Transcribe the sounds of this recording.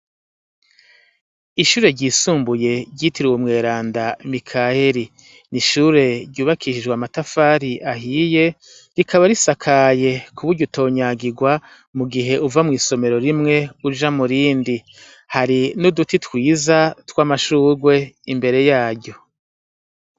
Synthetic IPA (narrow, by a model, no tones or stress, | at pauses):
iʃuːɾe̞ɾɟiːsuːmbuje̞ɾɟiːtiɾiwumŋe̞ːɾaːndamikʰaheɾi | niʃuɾe̞ɾɟuːβakʰiʃid͡ʒɡwamatafaːɾiʔaɦiːje̞ | ɾikʰaβaɾisakʰaje̞kʰuβuɾɟuto̞ːɲaɡiɡwa | muɡiɦe̞uvamŋiːso̞me̞ɾo̞ɾimŋe̞ud͡ʒamuɾiːndi | haɾinudutitwiːzatwaːmaʃuːɾɡwe̞imbe̞ɾe̞jaːɾɟo̞